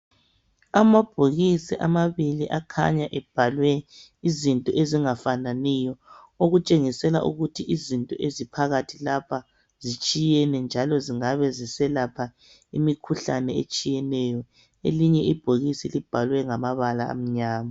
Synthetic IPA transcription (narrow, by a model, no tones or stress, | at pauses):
amab̥ʱoɣisiʔamaβiliʔakʰa̰ɲaʔɛb̥̚ʱalwɛizintʼɔʔeziŋafananijɔ | oɣut͡ʃʼeŋisɛlaʔuɣutʰiʔizintʼɔʔezipʰaɣatʰilapʰa | z̥it͡ʃʼijɛnɛnd͡ʒʱalɔziŋaβɛzisɛlapʰa | imikʰuɬanɛḛt͡ʃʼijɛnɛjɔ | eliɲɛib̥ʱoɣisilib̥ʱalwɛŋamaβalaa̰m̩ɲaːma